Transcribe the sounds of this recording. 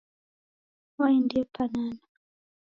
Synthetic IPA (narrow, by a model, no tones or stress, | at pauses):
waɛndiɔpanana